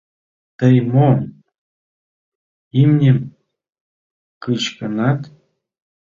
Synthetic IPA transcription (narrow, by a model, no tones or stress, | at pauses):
t̪ɤjmon | imnʲem | kɯɕkɤ̆nɑt̪